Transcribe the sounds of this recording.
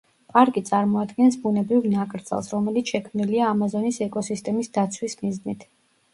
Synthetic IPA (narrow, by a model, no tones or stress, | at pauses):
pʼaɾkʼit̪sʼaɾmɔad̪ɡɛnsbunɛbɾivnakʼɾt̪sʼɛ̰lˠsɾɔmɛlit̪sʰʃɛkʰmniliaːmazɔnisɛkʼɔsist̪ʼɛmisd̪at̪sʰwismiznit̪ʰ